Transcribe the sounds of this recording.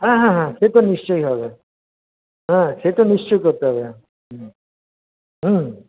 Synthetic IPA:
ɦãɦãɦãset̪ɔnist͡ʃɔjɦɔbe | ɦãset̪ɔnist͡ʃɔjkɔɾt̪eɦɔβe | ɦ̩

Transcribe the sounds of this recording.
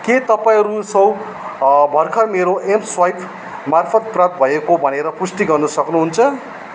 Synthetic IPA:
ket̪ʌpaĩɦʌɾusʌw | bʱʌrkʰʌmeɾoʔemswajpʰ | marpʰʌt̪̚prap̚t̪̚bʱʌekobʱʌneɾʌpusʈiɡʌrnʌsʌknuɦunt͡sʰʌ

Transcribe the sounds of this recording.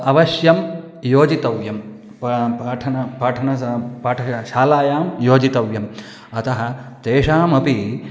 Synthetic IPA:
ɐʋɐʃjɐm | joːd͡ʒit̪ɐʋjɐm | ppaːʈʰɐnɐpaːʈʰɐnɐpaːʈʰɐʃaːlaːjaːmjoːd͡ʒit̪ɐʋjɐm | ɐt̪ɐɦɐt̪eːʃaːmɐpi

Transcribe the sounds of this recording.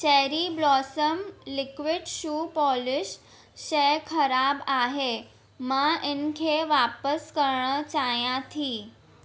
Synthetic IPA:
t͡ɕeɾiblɔsəmlikʋiɖɕuːpɔlɪɕ | ɕejkʰəɾabaɦe | maʔenkʰeʋapəskəɾɳət͡ɕajãt̪ʰiː

